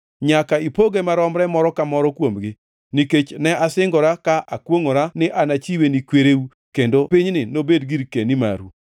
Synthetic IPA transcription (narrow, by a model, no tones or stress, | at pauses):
ɲakaipoɡemaɾɔmɾɛmɔɾɔkamɔɾɔkwomɡɪ | niket͡ʃnɛʔasɪŋɡɔɾakaʔakwoŋoɾanɪʔanat͡ʃiwenikweɾeu | kendopiɲnɪnobedɡiɾkenima̰ɾu